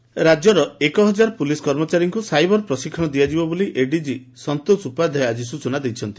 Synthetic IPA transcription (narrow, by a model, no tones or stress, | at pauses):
ɾad͡ʒjɔɾɔekɔɦɔd͡ʒaɾpuliskɔɾmɔt͡ʃaɾiŋkusajbɔɾpɾɔsikʰːɔɽ̃ɔd̪iad͡ʒibɔboliʔeɖid͡ʒi | sɔnt̪osupad̪ʱajad͡ʒis̬ut͡ʃɔnad̪ejt͡ʃʰɔnt̪i̥